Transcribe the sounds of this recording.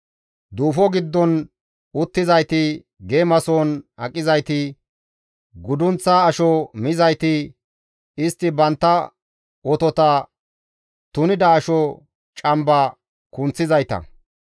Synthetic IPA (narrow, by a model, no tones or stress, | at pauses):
d̪uːfɔɡɪd̪ːɔn | ʊt̪ːɪzɐjt̪ɪ | ɡeːmɐsoːnɐkʼːɪzɐjt̪ɪ | ɡʊd̪ʊnt͡sːaːʃɔmɪzɐjt̪ɪ | ɪst̪ːɪbɐnt̪ːɐ | ɔt̪ɔt̪ɐ | t̪ʊnɪd̪ɐːʃɔ | t͡ʃʼɐmbɐ | kʊnt͡sːɪzɐjt̪ɐ̰